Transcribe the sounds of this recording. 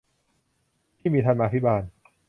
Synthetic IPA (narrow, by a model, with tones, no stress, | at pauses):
t̪ʰiː˥˩miː˧t̪ʰa˧nma˧t̪ʰi˦˥baː˧n